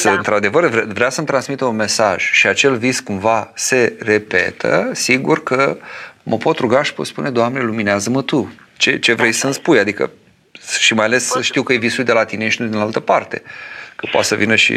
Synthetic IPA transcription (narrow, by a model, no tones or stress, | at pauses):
səɨnt̪ɾad̪e̞vərvvɾeasəmt̪ɾansmit̪eunme̞saʒ̥ʃiat͡ʃe̞lviskumvase̞re̞pe̞̰t̪ʰə̰siɡurkəməpo̞t̪ɾuɡaʃi̥pot̪spune̞d̪oamnelumineazəmət̪u | t͡ʃe̞t͡ʃe̞vɾejsənspujad̪ikə̰ | ʃimajale̞sʃt̪iwkəjevisuld̪elat̪ineʃinud̪inalt̪əpart̪e̞̰kəpoa̰t̪səvinəʃḭ